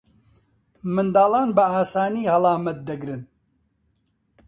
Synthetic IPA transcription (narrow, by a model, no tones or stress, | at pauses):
mɨnd̪aːlɑːnbɨaːsaːniːhɐlɑːmɐt̪̚d̪ɐɡɾɨn